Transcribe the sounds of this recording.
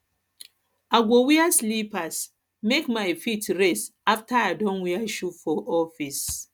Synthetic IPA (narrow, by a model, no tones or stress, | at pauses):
aɡʷowiaslipas | mekmaɪfitɹestaftaaɪdɔ̃nwiaʃufɔʔɔfis